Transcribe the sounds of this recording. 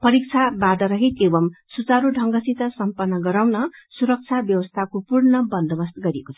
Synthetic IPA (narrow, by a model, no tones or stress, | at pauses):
pʌɾik̚t͡sʰabad̪ʌɾʌɦit̪ebʌmsut͡saɾuɖʱʌŋɡʌsit̪ʌsʌmpʌnːʌɡʌɾawnʌsuɾʌk̚t͡sʰabjʌwʌst̪ʰakopurnʌbʌnd̪ʱʌbʌst̪ɡʌɾiekot͡sʰʌ̥